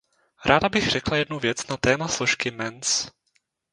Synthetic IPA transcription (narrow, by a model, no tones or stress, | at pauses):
ɾʔaːdabɪxr̥ɛklajɛdnuvjɛt͡snat̪ɛːmasloʃkɪmɛns